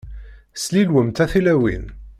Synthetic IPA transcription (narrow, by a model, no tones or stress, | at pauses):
slilwəmt̪æθilæwḭn